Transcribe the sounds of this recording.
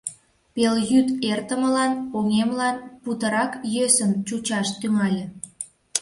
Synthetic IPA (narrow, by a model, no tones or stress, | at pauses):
peljyt̪ert̪əməlɑnoŋemlɑnput̪əɾɑkjøsəmt͡ɕut͡ɕɑʃt̪ymɑlʲĕ